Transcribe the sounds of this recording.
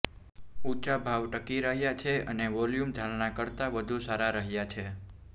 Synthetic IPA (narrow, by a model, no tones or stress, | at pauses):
ut͡ʃabʱaʋʈəkiɾəɦjat͡ʃʰeəneʋɔljumd̪ʱalnakəɾt̪aʋəd̪ʱusaɾaɾəɦjat͡ʃʰe